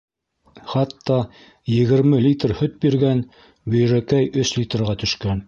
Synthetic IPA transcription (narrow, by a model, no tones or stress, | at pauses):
χɑt̪ːɑ | jɘ̆ɣɘ̆ɾmɘlʲit̪rhɵt̪̚biɾɡæn | bɵ̆jɾækæjʔɵslʲit̪rʁɑt̪ɵ̆ʃkæn